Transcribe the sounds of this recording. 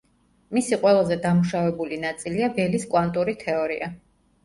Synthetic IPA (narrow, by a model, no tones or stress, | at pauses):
misiqʼwɛlˠazɛd̪amuʃavɛbulinat̪sʼiliavɛliskʼwant̪ʼuɾit̪ʰɛɔɾiʔa